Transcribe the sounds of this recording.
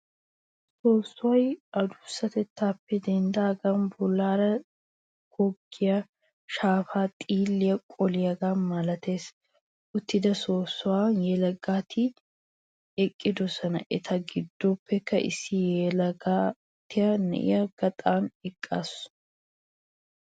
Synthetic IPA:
soːsːʊwɐjɐd̪ʊsːɐt̪ɛt̪ːaːpːɛd̪ɛnd̪aːɡɐnbʊlːaːɾɐ | ɡ̥ɔɡːɪjɐ | ʃaːfaːt̪ʼiːlːɪjɐkʼɔlɪjɐɡaːmɐlɐt̪e̞ːs | ʔʊt̪ːɪd̪ɐso̞ːsːʊwaːnjɛlɐɡaːt̪ʰɪ | ɛkʼːɪd̪ɔsɐnɐʔɛt̪ʰɐɡɪd̪ːɔpːɛkːɐʔɪ̰sːɪjɛlɐɡaː | t̪ːɪjɐnɛ̰ʔɪ̰jɐɡ̥ɐt̪ʼaːnɛkʼːa̰ːs

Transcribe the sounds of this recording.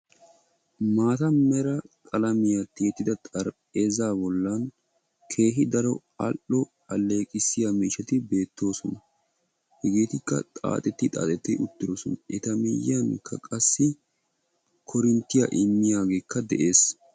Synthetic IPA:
maːt̪ɐmɛɾɐkʼɐlɐmɪjat̪ːɪjɛt̪ːɪd̪ɐt̪ʼɐɾpʼe̞ːzaːbɔlːaːn | kʰe̞ːɦɪd̪ɐɾɔ | ɐ̰ʔɔ | ɐlːe̞ːkʼɪsːɪjamiːʃɐt̪ɪbe̞ːt̪ːo̞ːsɔnɐ | hɛɡeːt̪ɪkːɐ̰t̪ʼa̰ːt̪ʼɛt̪ːɪt̪ʼa̰ːt̪ʼɛt̪ːɛʔʊt̪ːɪɾoːsɔnɐʔɛt̪ɐmɪjɐŋkʰɐkʼɐsːɪ | kʰɔɾɪnt̪ːɪjɐ̰ʔɪmːɪjaːɡe̞ːkʰːɐd̪ɛʔe̞ːs

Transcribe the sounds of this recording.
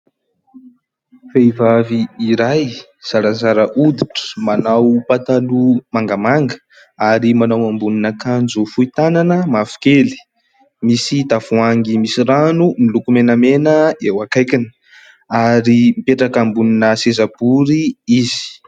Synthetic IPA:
fejvaviːɾaj | z̥aɾazaɾəʔud̪iʈ͡ʂə̥manawpat̪alumaŋɡamaŋɡə̥ | aɾimanawambuninakand͡zufuit̪ananəmafu̥keli̥ | misid̪afuaŋɡimisiranumilukumenəmenəewakajkʲinə | aɾimipeʈ͡ʂakambuninəsezab̥uɾiizi̥

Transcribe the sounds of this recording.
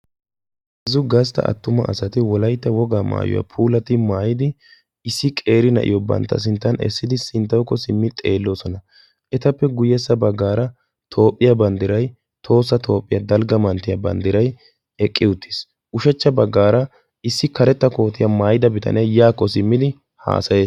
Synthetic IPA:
ɛzʊɡɐst̪ɐ̰ʔɐ̰t̪ːʊmɐ̰ʔɐ̰sɐt̪ɪwɔlɐjt̪ːɐwɔɡaːma̰ːjɔ̰jɐ̰pʰuːlɐt̪ɪmaːjɪd̪ɪ | ɪsːɪkʼe̞ːɾɪnɐ̰ʔɪ̰jɔbɐ̰nt̪ːɐ̰s̬ɪnt̪ːɐnɛ̰sːɪd̪ɪsɪnt̪ːɐwkːɔsɪmːɪt̪ʼḛːlːo̞ːsɔnɐ | ʔɛt̪ɐpːɛɡʊjɛsːɐbɐɡːaːɾɐ | t̪ʰo̞ːpʼːɪjɐbɐnd̪ɪɾɐj | t̪ʰo̞ːsːɐt̪ʰo̞ːpʼːɪjɐd̪ɐlɡɐmɐnt̪ːɪjɐbɐ̰nd̪ɪɾɐj | ɛkʼːɪʊt̪ʰːɪ̥s | ʔʊʃɛt͡ʃːɐbɐɡːaːɾɐ | ɪsːɪkɐɾɛt̪ːɐko̞ːt̪ːɪjɐmaːjɪd̪ɐbɪt̪ʰɐ̰nɛjaːkːɔsɪmːɪd̪ɪ | ha̰ːsɐje̞ːs

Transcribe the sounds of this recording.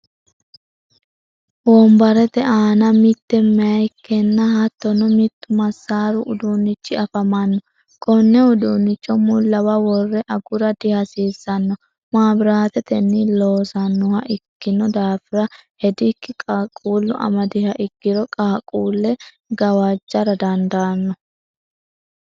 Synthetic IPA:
wɔmbɐɾɛt̪ɛʔaːnɐmɪt̪ːɛmɛɐjkːɛnːɐhɐt̪ːɔnɔmɪt̪ːʊmɐsːaːɾʊʔʊd̪unːɪt͡ʃːɪɐfɐmɐnːɔ | kʼɔnːɛʊd̪uːnːɪt͡ʃːɔmʊlːɐwɐwɔrːɛʔɐɡʊɾɐd̪ɪhɐsiːzːɐnːɔ | maːbɪɾaːt̪ɛt̪ɛnːɪloːsɐnːʊhɐʔɪkːɪnɔd̪aːfɪɾɐhɛd̪ɪkːɪkʼakʼuːlːʊ̰ʔɐ̰mɐd̪ɪhɐʔɪɡːɪɾɔkʼaːkʼuːlːɛ | ɡɐwaːd͡ʒːɐɾɐd̪ɐnd̪ɐnːɔ

